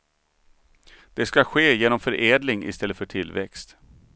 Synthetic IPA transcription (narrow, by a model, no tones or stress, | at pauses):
d̪̥ɛskaɧeːjeːnɔmfœɾʔeːd̪lɪŋɪ̰st̪ɛlːəfœʈʰɪlːvɛ̰kst̪